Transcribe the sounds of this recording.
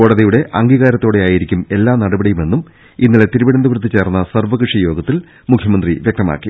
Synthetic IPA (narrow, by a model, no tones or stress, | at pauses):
oːɽɐðɐjuɽe̞ʔɐŋɡiːɣaːɾɐt̪ːo̞ːɽeaːjiɾikʲːume̞lːaːnɐɽɐbɐɽijume̞nːum | inːile̞t̪iɾubiɽɐnd̪ɐʋrɨt̪ːit͡ɕe̞ːrnːɐsɐrʋɐkrɨʂijo̞ːɡɐt̪ːil | mukʰjɐmɐnd̪riʋjek̚t̪ɐma̰ːkːi